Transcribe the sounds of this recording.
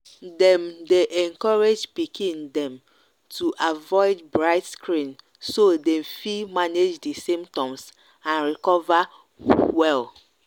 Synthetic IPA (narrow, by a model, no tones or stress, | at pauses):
dɛ̃mdeʔɛ̃ŋkɔɹed͡ʒpikʰĩndɛ̃m | tʰuʔavɔɪdbɹaɪtskɹĩn | sodɛ̃mfimaned͡ʒdisĩmptɔ̃ms | ãnɹikɔva | wɛl